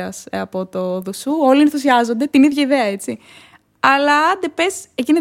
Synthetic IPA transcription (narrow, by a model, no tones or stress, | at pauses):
ɐsɐpo̞t̪oðusuo̞lienθus̬iɐzo̞nd̪e̞t̪iniðʝɐiðe̞ɐe̞t͡si | ɐlɐɐnd̪e̞pe̞secine